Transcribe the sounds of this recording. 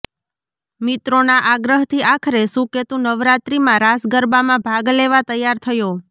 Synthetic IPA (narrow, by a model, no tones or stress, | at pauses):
mit̪ɾonaʔaɡɾəɦt̪ʰiʔakʰɾesũket̪ũnəʋɾat̪ɾimãɾasɡəɾbamãbʱaɡleʋat̪əjːaɾt̪ʰəjo